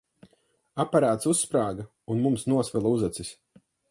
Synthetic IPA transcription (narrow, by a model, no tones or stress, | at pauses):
apaɾaːt̪susːpɾaːɡa | unmumsnuɔsvɛlˠauzat̪sisʲ